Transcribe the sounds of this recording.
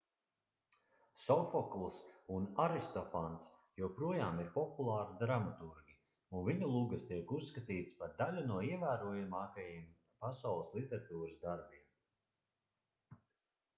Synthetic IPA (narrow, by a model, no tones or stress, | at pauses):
sɔfɔklˠsunaɾist̪ɔfansjupɾuɔjaːmiɾpɔpulˠɑːɾid̪ɾamat̪uɾɡʲi | unviɲulˠuːɡast̪iɛkusːkat̪iːt̪spaɾd̪alʲunuɔiɛvæːɾuɔjamaːkajim | pasawlˠəslˠit̪ɛɾat̪uːɾəsd̪aɾbim